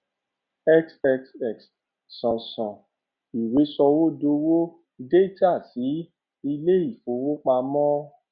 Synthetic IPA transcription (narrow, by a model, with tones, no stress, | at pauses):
ɛ˦ksɛ˧ksɛ˨ks | sɔ̃˨sɔ̃˨ | i˨we˨˦sɔ˧wo˦do˧wo˦ | de˦ta˦˨si˨˦ | i˧le˦i˦˨fo˨˦wo˦k͡pa˧mɔ̃˦